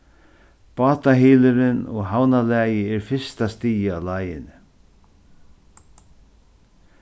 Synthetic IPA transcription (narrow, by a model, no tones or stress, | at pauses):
pɑːt̪aɦiːlɪɾɪnɔ̰ɣɦawnalɛːjɪɛɾfɪst̪ast̪iːjɪalajɪnɪ